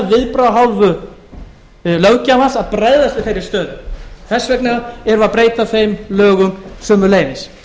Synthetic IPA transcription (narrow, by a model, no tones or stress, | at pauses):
vɪðpɾawɦaːwvʏ | lœwcamansaðpɾɛððast̪vɪðθejɾɪ̥st̪œːðʏθɛsːvɛknaaɛɾʏaðpɾeːjt̪afejmlœːɣʏmsœːmʏɾleːjvɪs